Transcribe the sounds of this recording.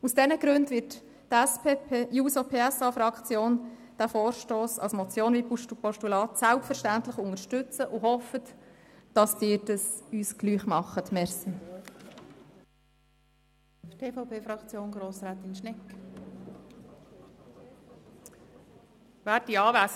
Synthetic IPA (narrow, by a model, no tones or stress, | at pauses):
usd̥ɛnəɡɾʉndʋɪt | tɛspepːjuːsopʰeːɛsɑfɾɑkt͡sjoːn | d̥æːfoːɾʃtoːsɑ̰lsmɔt͡sjoːnvipuʃtupɔʃtulɑːt̪sælpfəɾʃtæntlɪχʊŋəʃtʏt͡səʔʊhɔfət | d̥ɑsdɪːɾd̥əsyːsɡ̥lyːχmɑχətmɛɾsn | tʰeːfaʊpʰeːfɾɑkt͡sjoːnɡɾoːsɾaːt̪ɪnʃnɛkː | væːiɑːvæs